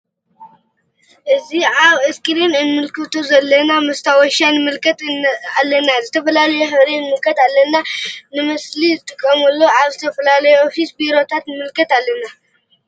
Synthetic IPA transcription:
ʔɨziaβɨskʼɨɾinɨnmɨlkʰɨt̪ʰuzɐlːɐnamɐst̪ʰawɔʃanɨmɨlkʰɐt̪alːɐnːazɨt̪ʰɐfɐlalɐjuħɨβɾenɨmɨlkʰɐt̪alːɐnːanɨmɐslizɨt̪ʼɨkʼːɐmɐlːoaβzɨt̪ʰɐfɐlalɐjuofisbiɾo̞t̪ʰat̪nɨmɨlkʰɐt̪alːɐnːa

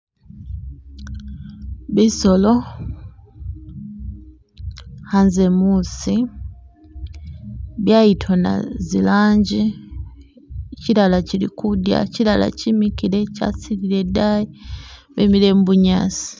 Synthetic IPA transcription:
βiso̞lo̞ | hanze̞muːsi | βjaitʰo̞na̰zilaːɲɟi | ciɾalacilikudja̰cilala̰cimikiɾe̞ca̰siɾile̞dajiβemile̞ːmbuɲa̰si̥

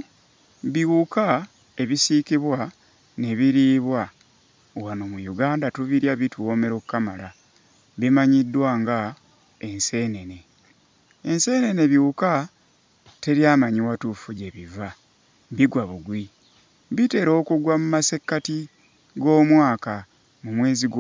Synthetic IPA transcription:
βiwuka | e̞βisikiβwa | ne̞βiɾiːβwa | wano̞mujuɡaːndatuβiɾjaβituwo̞me̞ɾokkːamala | βimaɲidːwaːŋɡa | e̞nse̞ne̞ne̞ | ense̞ːne̞ne̞βjuuka | te̞ɾjaːmaɲiwatufuɟe̞βiva | βiɡwaβuɡwi | βite̞ːɾo̞ːkuɡwamumase̞kːati | ɡo̞ːmwaːka | mumwe̞ːziɡ

